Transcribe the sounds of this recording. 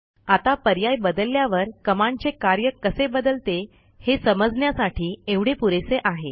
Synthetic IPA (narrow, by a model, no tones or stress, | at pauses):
at̪apəɾjajbəd̪əlːjaʋəɾkəmant͡sekaɾjəkːəsebəd̪əlt̪e | hesəməd͡zɳjasaʈʰiːeʋɽ̤epuɾeseʔaɦe